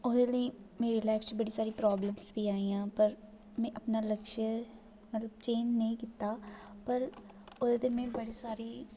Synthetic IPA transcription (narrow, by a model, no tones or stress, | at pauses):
oːd̪eːləiːmeːɾeːlaːɪpʰt͡ʃbəɽiːsaːɾiːpɾɔːbləmsbiːaːiːãːpəɾ | mɛ̃ːʔəpnaːləkʃəɾ | mət̪ləbt͡ʃẽːɲd͡ʒnəĩːkiːt̪aːpəɾ | oːd̪eːt̪eːmẽːbəɽiːsaːɾiː